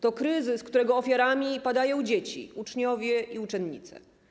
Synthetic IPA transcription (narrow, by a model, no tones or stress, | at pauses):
t̪ɔkɾɘzɘskt̪uɾɛɡɔːfʲjaɾamʲipad̪ajɔ̃w̃d͡ʑet͡ɕḭut͡ʂɲɔvʲjɛiut͡ʂɛnɲḭt̪sɛ̰